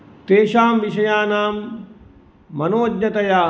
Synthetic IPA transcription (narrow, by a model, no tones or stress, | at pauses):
t̪eːʃaːmʋiʃɐjaːnaːm | ɐnoːd̪ɲɐt̪ɐjaː